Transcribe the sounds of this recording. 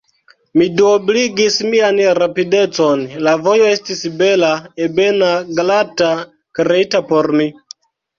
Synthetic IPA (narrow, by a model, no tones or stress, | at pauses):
miduobliɡismianɾapide̞t͡sonlavo̞jo̞e̞stisbe̞laebe̞naɡlata | kɾeitapoɾmi